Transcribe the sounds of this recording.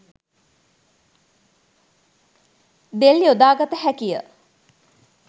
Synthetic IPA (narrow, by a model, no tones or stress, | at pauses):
d̪eljod̪aːɡat̪əhækijə̰